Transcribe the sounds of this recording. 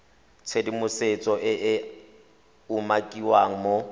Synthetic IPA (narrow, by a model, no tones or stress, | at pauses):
t͡sʰedimʊset͡sʼɔʔɪʔ | umakʼiwaŋ̩mo